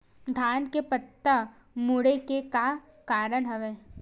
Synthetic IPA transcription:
d̪ʱaːnkepət̪ːə | mʊɽekeka | kaːɾəɽɦɐʋeː

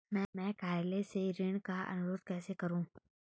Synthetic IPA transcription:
mɛ̃ːmɛ̃ːkaːeleseɾɪɳ̃kaʔɐ̰nʊɾoːd̪kɛːsekɐɾũː

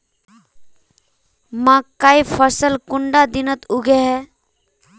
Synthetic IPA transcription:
mãkaːifʰəsəlkʊɳɖad̪ɪnət̪ʊɡʱeɦɛː

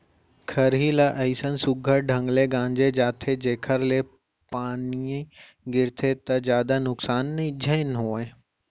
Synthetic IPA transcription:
kʰɐɾɦilaʔɐisənsʊɡʱəɾɖʱɐ̃ŋɡleɡãːɲd͡ʑed͡ʑaːt̪ʰed͡ʑeːkʰəɾle | paːniẽ | ɡɪɾt̪ʰet̪ɐzjaːd̪anʊksaːnːɐid͡ʑʱə̃ɪ̃nɦoːẽ

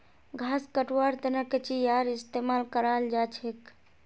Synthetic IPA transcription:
ɡʱaskəʈwaɾt̪enəket͡ʃijaɾist̪emalkəɾald͡ʒat͡ʃʰek

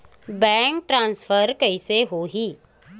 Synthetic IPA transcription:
bɛ̃ːŋk̚ʈɾãːnsfʰəɾkɐiseɦoːɦiː

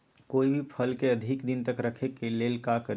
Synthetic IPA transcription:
koːibʱipʰəlkeəd̪ʱikd̪int̪əkɾəkʰekelelkakəɾ

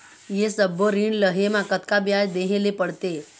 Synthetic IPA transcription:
jesəbːoɾiɳləɦemãkət̪kabjajd̪eɦelepəɽt̪e

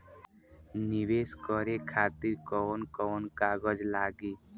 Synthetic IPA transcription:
niʋeskʌɾekʰat̪iɾkɔnkɔnkaɡʌd͡ʒlaɡe

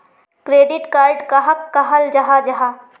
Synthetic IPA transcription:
kɾeːɖɪʈkaːɾɖkaɦəkːaɦɐld͡ʒɐɦad͡ʒɐɦa

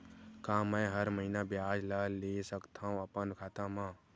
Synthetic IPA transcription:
kãːmɛ̃ːɦəɾməɦinabjaːd͡ʒlaleːsəkt̪ʰaːũəpənkʰaːt̪ãmãː

